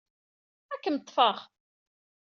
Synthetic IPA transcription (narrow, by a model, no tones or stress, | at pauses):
ækːənt̪ˤːfəʁ